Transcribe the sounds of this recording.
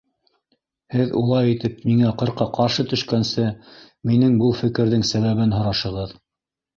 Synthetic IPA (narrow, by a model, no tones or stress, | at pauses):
hɘðṵlˠɑjit̪ɘpmiŋæqɤ̆ɾqɑqɑɾʃɤt̪ɵ̆ʃkænsɘ | minɘŋbɤlˠfɘ̆kɘ̆ɾðɘŋsæβæβɘnɦŏɾɑʃɤ̆ʁɤð